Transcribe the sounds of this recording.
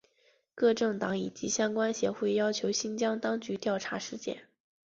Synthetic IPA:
kɤ˥˧ʈ͡ʂɤ˥˩ŋt̪ɑ˧˥ŋi˨˩t͡ɕi˧˥ɕjɑ˥ŋkwa˥nɕjɛ˧˥xwe˥˩ɪjɑ˥ʊt͡ɕʰjo˧˥ʊɕi˥nt͡ɕjɑ˥ŋt̪ɑ˥ŋt͡ɕy˧˥t̪jɑ˥˩ʊʈ͡ʂʰa˧˥ʂɻ̩˥˧t͡ɕjɛ̰˥˩n

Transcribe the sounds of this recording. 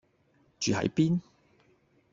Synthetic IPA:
t͡ʃyː˨hɐ̰˨˥jpiː˥n

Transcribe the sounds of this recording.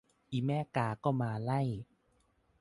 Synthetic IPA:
ʔiː˧˩mɛː˥˩kaː˧˩kɔː˥˩maː˧la˥˩j

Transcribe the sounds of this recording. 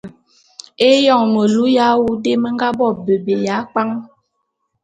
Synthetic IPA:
e˦jɔ˦˨ŋnə˨lu˦ja˨˦wu˦de˦mə˦ŋ˦ɡa˦bɔ˦˨bə˨be˨ja˨˦k͡pa˦ŋ

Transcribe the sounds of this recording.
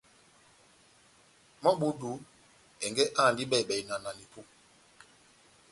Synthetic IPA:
mɔ˦ɓu˦du˨˦ | ɛ˨ŋɡɛ˦ʔa˦˨ndi˦ɓɛ˦˨ɓɛ˨i˨na˨na˨ni˨pu˦

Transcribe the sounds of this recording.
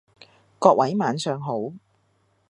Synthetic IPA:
kɔː˧k̚wɐ˨˥jmaː˨˥nsœː˧ŋɦo˨˥w

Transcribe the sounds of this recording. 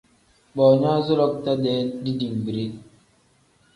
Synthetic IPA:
ɓɔː˨ɲa˦zo˦lɔ˦k̚ta˦dɛː˦di˦di˨ŋbi˨ɾe˦

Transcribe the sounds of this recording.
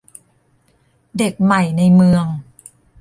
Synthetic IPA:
de˨˩k̚ma˨˩jna˧jmɯ˧əŋ

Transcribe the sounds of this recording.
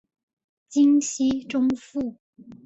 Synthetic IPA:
t͡ɕi˥ŋɕi˥ʈ͡ʂʊ˥ŋfu˥˩

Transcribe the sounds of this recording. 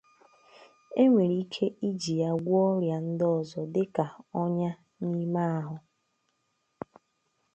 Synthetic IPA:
e˦ŋʷe˨ɾi˦kʰe˦ʔi˦d͡ʒi˨ja˦ɡʷɔ˦ɾja˨n̩˦dɔ˦˨zɔ˨dɪ˦ka˨ɔ˦ɲa˦ | ɲi˦ma˦a˦ɦʊ˨

